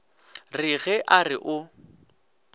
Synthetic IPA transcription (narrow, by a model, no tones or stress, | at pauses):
rɪɣɛʔarɪʔʊ